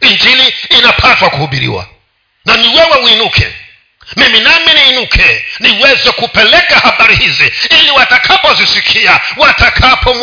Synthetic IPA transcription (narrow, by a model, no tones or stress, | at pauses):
ind͡ʒiliːnapʰatwakuhuɓiɾḭwa̰ | naniwɛwɛuinukʰɛ̰ | miminaminiːnukʰɛniwɛzɛkupɛlɛkahaɓaɾihiziiliwatakʰapɔzisikʰiawatakʰapʰɔŋ